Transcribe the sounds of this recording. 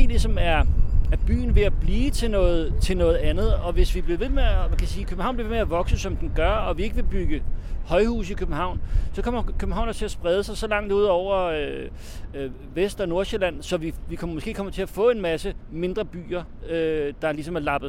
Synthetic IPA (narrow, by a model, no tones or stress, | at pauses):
ḛlisɒ̽mæɐæb̥y̰ːn̩ʋe̝æb̥liːt͡sʰe̝lnɔ̽ːð̩ˠt͡sʰe̝lnɔ̽ːð̞̩ˠænð̞̩ˠɒ̽ʋe̝sʋib̥leʋe̝memækʰæsiːkʰøb̥m̩ɑ̈ʊnb̥li̝ʋe̝meæʋɒ̽ɡ̥səsɒ̽md̥enɡ̥ɶɐɒʋie̝ɡ̥əʋe̝b̥yɡ̥əhɒ̽ɪhṵːsikʰøb̥m̩hɑ̈ʊ̰nsɒ̽kʰɒ̽m̰ɐkʰøb̥m̩ɑ̈ʊ̰nɑt͡sʰe̝æsb̥ʁɛð̞ˠəsɑ̈ɪsɒ̽lɑ̈ŋ̰d̥uð̞̰ˠɒʊ̰ɐø | ʋesd̥ɒ̽no̝ɐɕelæn̰sɒ̽ʋiʋikʰɒ̽mmɔ̽sɡ̥e̝̰ːkʰɒ̽m̰ɐt͡sʰe̝æfɔ̰̽ːe̝nmæsəme̝nd̥ʁɐb̥y̰ːɐ | ød̥ɑ̈lisɒ̽mæɐlɑ̈b̥ð̩ˠ